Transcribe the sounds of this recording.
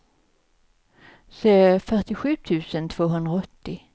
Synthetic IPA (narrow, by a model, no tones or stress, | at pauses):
seːfœʈɪɧʉ̟ːt̪ʰʉ̟ːsənt̪ʰv̥oːɦɵnd̪ɾaɔt̪ːɪ